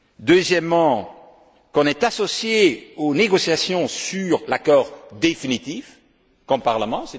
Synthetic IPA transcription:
d̪øzjɛmːɑ̃ | kɔ̃nɛt̪asɔsjeoneɡɔsjasjɔ̃syʁlakɔʁd̪efinit̪if | kɔ̃mpaʁləmɑ̃sɛ

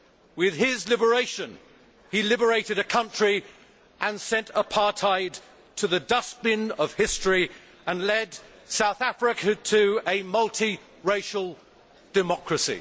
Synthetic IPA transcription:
wɪð̥ɪzlɪbə˞eɪʃɨ̃n | ilɪbə˞eɪɾɨɾɨkʰʌ̃nt͡ʃɹ̥i | ʔə̃nsɛ̃ntəpʰɑɹtʰaɪd | tʰɨðɨdʌsbɪ̃nʌv̥hɪstɹ̥i | ə̃nlɛd | saʊθæfɹɨkʰɨtʰɨɨmʌlˠtʰi | ɹeɪʃl̩ˠ | d̥ɨmɑkɹɨsḭ

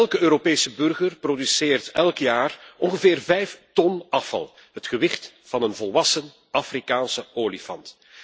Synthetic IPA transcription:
ɛlˠkəøːɾopeːsəbɵrɣərprodysɪːrtɛlˠkjaːrɔnɣəvɪːrvɛjftɔnɑfɑ̰lˠ | ɦətxəʋɪxt | vɑnənvɔlˠʋɑsən | ʔafrikaːnsəoːlifɑ̰nt

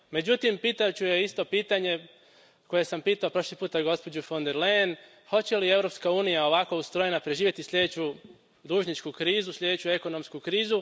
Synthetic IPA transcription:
me̞d͡ʑut̪impiːt̪aot͡ɕuje̞ist̪o̞piːt̪aɲe̞ | ko̞je̞sampiːt̪aopɾo̞ʃlipuːt̪aɡo̞spo̞d͡ʑufo̞nd̪eɾlejn | ho̞t͡ɕe̞lie̞ʋɾo̞pskauːnijao̞ʋako̞ust̪ɾo̞jenapɾe̞ʒiːʋje̞t̪isʎʲe̞d̪et͡ɕu | d̪uːʒɲit͡ʃkukɾiːzusʎʲe̞d̪et͡ɕue̞ko̞no̞mskukɾiːzu

